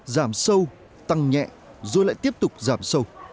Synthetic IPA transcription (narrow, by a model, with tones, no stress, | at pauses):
zaː˧˦msə˧w | t̪a˨˩ŋɲɛ̰˧˨ | zo˨˧˩jla̰ː˧˨jt̪i˦˥p̚t̪ʊ˨˩k͡p̚zaː˧˩˦msə˧w